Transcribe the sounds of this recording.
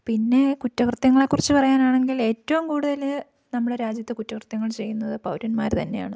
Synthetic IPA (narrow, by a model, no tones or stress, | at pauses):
pinːe̞kutːɐkrɨt̪jɐŋːɐɭekːurit͡ɕːɨpɐrɐjaːnaːɳe̞ŋɡile̞ːtːɐʋumkuːɽuðɐl | nɐmːuɽe̞ɾaːd͡ʑjɐt̪ːɨkutːɐkrɨt̪jɐŋːɐɭt͡ɕe̞jːunːɐðɨpɐwɾɐnmaːɾt̪ɐnːe̞ja̰ːɳɨ